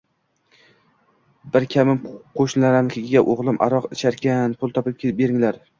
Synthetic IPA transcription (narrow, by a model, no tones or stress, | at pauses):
bɪɾkʲʰamɪmqʰoʃnlaɾankʲʰeɡʲɪɡʲaʔoʁlˠɪmʔa̰ɾɒqɪt͡ʃʰaɾkʲanpʰʊlˠt̪ʰɒpɪp̚kʰʲebe̞ɾɪŋlaɾ